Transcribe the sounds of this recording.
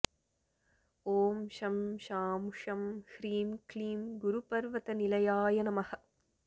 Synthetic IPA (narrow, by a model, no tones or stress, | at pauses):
oːmʃɐmʃaːmʂɐmhɾiːmkliːmɡʊɾupɐɾʋɐt̪ɐnilɐjaːjɐnɐmɐhɐ